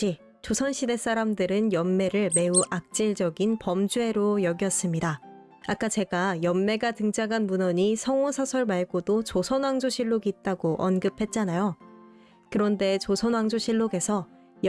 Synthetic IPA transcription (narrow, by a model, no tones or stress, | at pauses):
i | t͡ɕosʰʌnɕʰide̞s͈aɾamdɯɾɯnjʌmːe̞ɾɯɭme̞uʔak̚t͡ɕ͈iɭd͡ʑʌɡinpʌmd͡ʑue̞ɾojʌɡjʌs͈ɯmɲida | ak͈at͡ɕe̞ɡajʌmːe̞ɡatɯŋd͡ʑaɡanmunʌɲisʰʌŋosʰasʰʌɭmaɭɡodot͡ɕosʰʌnwaŋd͡ʑoɕʰiɭːoɡiːt̚t͈aɡoʔʌnɡɯpʰe̞t̚t͡ɕ͈anajo | kɯɾʌnde̞t͡ɕosʰʌnwaŋd͡ʑoɕʰiɭːoɡe̞sʰʌ | j